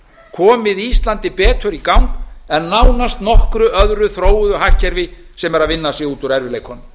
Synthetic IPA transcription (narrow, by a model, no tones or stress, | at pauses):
kʰɔːmɪðist̪lant̪ɪpɛːt̪ʰʏɾikawŋkɛnːawnast̪nɔhkɾʏʔœðɾʏθɾoːwʏðʏɦahcːɛɾvɪ | sɛmɛɾaðvɪnːasɛuːt̪ʏɾɛɾvɪlejkʰɔnm